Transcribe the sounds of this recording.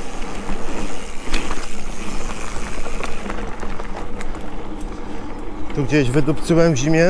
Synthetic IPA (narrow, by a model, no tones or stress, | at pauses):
t̪uɡd͡ʑeʑvɘd̪upt̪sɨwɛmvʑimʲjɛ